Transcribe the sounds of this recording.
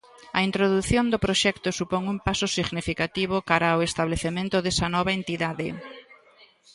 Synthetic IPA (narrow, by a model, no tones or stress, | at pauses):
ɐ̰int̪ɾoðuθjond̪ʊpɾoʃɛkt̪ʊsupoŋumpasʊsiɣnifikat̪iβ̞ʊkaɾaoest̪aβleθemẽnt̪ʊðɛsɐnɔβaent̪iðaðɪ